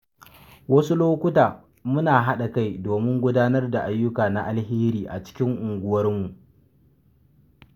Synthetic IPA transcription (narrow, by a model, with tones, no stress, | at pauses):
wɐ˦su˦loː˦kʷʊ˦taː˨ | mʊ˦naː˨ɦa˦ɗa˨ka˦˨jdoː˨mɪ˦ŋɡʷʊ˦daː˦nɐ˦rda˨ʔa˦jːʊ˦kaː˨na˦ʔa˦lheː˦ɾiː˨ʔa̰˨t͡ʃɪ̥˦kʲɪ˦ŋʔʊ˨ŋɡʷʊ˦wɐ˦rmu˨ʔ